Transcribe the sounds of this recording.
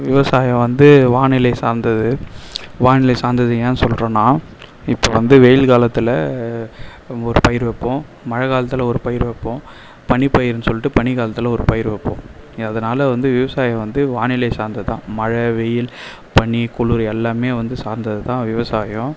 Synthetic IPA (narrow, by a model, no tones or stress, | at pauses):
ʋɪʋɐsaːjɐ̃ʋɐnd̪ɯʋaːnɪlɐɪsaːɾnd̪ɐðɯʋaːnɪlɐɪsaːɾnd̪ɐðɯjeːnɯsɔlɾõːnãː | ɪpːoːʋɐnd̪ɯʋɛjɪlkaːlɐt̪ːɪlɐ | ɔɾɯpɐjɪɾʋɛpːõː | mɐɻɐɣaːlɐt̪ːɪlɐɔɾɯpɐjɪɾʋɛpːõː | pɐɳipɐjɪɾnɯsɔlːɪʈːɯpɐɳiɣaːlɐt̪ːɯlɐɔɾɯpɐjɪɾʋɛpːõ̰ | ɐðɐnaːlɐʋɐnd̪ɯʋɪʋɐsaːjɐ̃ʋɐnd̪ɯʋaːnɪlɐɪsaːɾnd̪ɐðɯt̪ã̰ːmɐɻɐʋɛjɪl | pɐɳikʊɭuɾɛlːaːmeːʋɐnd̪ɯsaːɾnd̪ɐðɯt̪ãːʋɪʋɐsaːjʊ̃